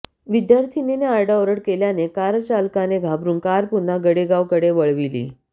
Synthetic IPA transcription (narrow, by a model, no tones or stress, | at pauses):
ʋid̪jaɾt̪ʰineneaɾɖaoɾəɽkeljanekaɾət͡ɕalkaneɡʱabɾuːnkaɾpunːaɡəɽeɡaʋkəɽeʋəɭʋilḭː